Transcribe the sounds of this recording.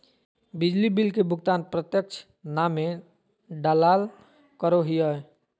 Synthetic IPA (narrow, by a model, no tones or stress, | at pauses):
bid͡ʒlibilkebʊkt̪anpɾət̪jək̚t͡ʃʰ | name | ɖalal | kəɾoɦijəj